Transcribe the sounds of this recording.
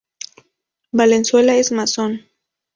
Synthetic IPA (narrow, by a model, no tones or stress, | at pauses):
balenswelaesmason